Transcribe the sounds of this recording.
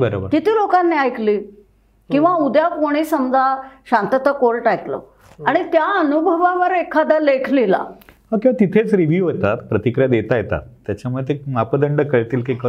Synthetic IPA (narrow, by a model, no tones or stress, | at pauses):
bəɾobəɾkit̪iːlokanːiajkliː | kĩw̃ʋaud̪jakoɽ̃isəmd͡zʱaɕãnt̪ət̪əkolʈajk̪lɔ̰ | aɽ̃it̪jaənubʱəʋaʋəɾekʰad̪əlekʰlila̰ɦakĩʋat̪it̪ʰet͡sɾiʋjuʋɦot̪at̪pɾət̪ikɾijad̪et̪ajet̪a̰t̪ːjat͡ɕamuɭet̪emapəd̪əɳɖəkəɭt̪iːlkek